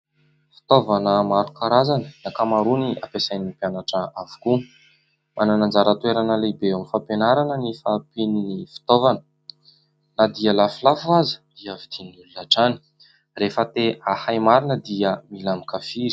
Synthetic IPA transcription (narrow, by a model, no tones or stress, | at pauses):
fi̥t̪ovanəmaɾukaɾazanənakamaɾuniapesajnipjanaʈ͡ʂəavu̥ku | mʔananand͡zaɾət̪weɾanəlebeamifapenaɾanənifapininifi̥t̪ovanə̥ | nad̪iəlafulafuazə̥d̪̥iəvid̪̥inululaʈ͡ʂani̥ | refət̪eahajmaɾinəd̪iəmilamikafiɾi̥